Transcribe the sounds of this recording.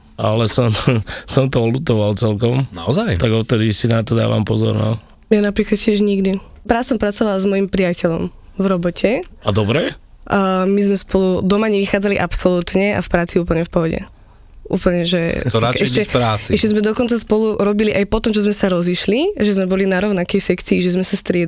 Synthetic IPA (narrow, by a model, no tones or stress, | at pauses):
a̰lɛsɔmsɔmt̪ɔɔlut̪ɔʋalt͡sɛlkɔmnaɔzajt̪aɡɔft̪ɛd̪isinat̪ɔd̪a̰ːʋa̰mpɔzɔ̰ɾna̰ | janapɾiːklat̪̚cɪɛʒɲiɡd̪ipɾasɔmpɾat͡sɔʋalazmɔjimpɾijacɛʎɔm | vɾɔbɔcʰɛad̪ɔbɾɛ | mizmɛspɔlud̪ɔmaɲɛʋixaːd͡zaliʔapsɔluːt̪ɲɛʔa̰fpɾaːt͡siuːpl̩ɲɛfpɔɦɔɟɛ̰ | ʔṵːpl̩ɲɛʒɛɾaɛʃcɛɾaːt͡siɛʃcɛzmɛd̪ɔkɔnt͡saspɔluɾɔbiliʔajpɔt̪ɔmt͡ʃɔzmɛsaɾɔziʃliʒɛzmɛbɔlinaɾɔʊnakɛjsɛkt͡siːʒɛzmɛsast̪ɾɪɛd̪